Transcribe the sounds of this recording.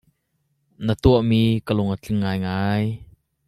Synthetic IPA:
nət̪uəʔmiːkəlʊŋət͡ɬɪŋːaːjŋaːj

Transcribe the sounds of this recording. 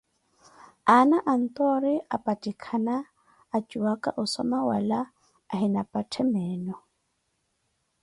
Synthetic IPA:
anaʔan̩t̪ʼɔɾɪapʼatʼikʰanaː | t͡ʃʼuwakʼa̰ʔʊsɔmawala | ahinapʼatʰɛmɛːnɔ

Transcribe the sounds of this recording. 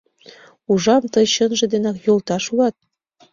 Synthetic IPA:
uʒɑmt̪ɤjɕɤnʒĕd̪enɑkjolt̪ɑʃulɑt̪̚

